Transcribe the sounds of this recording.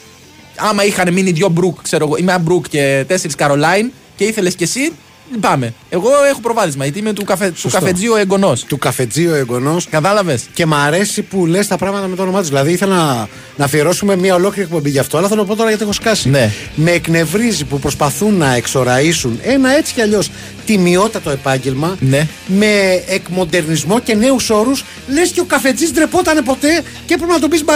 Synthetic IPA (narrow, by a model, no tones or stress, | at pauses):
ɐmɐixɐneminiðʝo̞bɾukkse̞ɾo̞ɣo̞imeɐbɾukce̞t̪e̞seɾiskɐɾo̞lɐin | ce̞iθe̞le̞sce̞si | lipɐme̞eɣo̞e̞xo̞pɾo̞vɐɾizmɐjɐt̪imet̪ukɐfet̪ukɐfe̞d͡zioeɡo̞no̞st̪ukɐfe̞d͡zioeɡo̞no̞skɐt̪ɐlɐve̞sce̞mɐɾe̞sipulest̪ɐpɾɐɣmɐt̪ɐmet̪ɐono̞mɐt̪uzðilɐðiiθelnɐ | nɐfieɾo̞sume̞mɲɐo̞lo̞kliɾipumebiʝɐft̪oɐlɐθelopo̞t̪o̞ɾɐʝɐt̪iexoskɐsine | me̞ːkne̞vɾizipupɾo̞spɐθunːɐekso̞ɾɐisune̞nɐe̞t͡si̥ceɐʎo̞s | t̪imio̞t̪it̪ɐt̪o̞e̞pɐɲɟelmɐne | me̞ːkmo̞d̪e̞ɾnizmo̞ce̞ne̞uso̞ɾus | le̞sce̞o̞kɐfe̞d͡zizd̪ɾepo̞t̪ɐne̞po̞t̪e̞ | cepɾepinɐt̪̬obizmɐ